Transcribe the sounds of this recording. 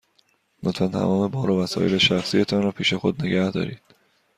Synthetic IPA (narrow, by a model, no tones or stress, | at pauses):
not̪fænt̪ʰæ̰mɒːme̞bɒːɾovæsɒ̰ːʔe̞leʃæxsijet̪ʰɒːnrɒːpʰiːʃe̞xod̪̚ne̞ɡæhd̪ɒ̰ːɾiːd̪̥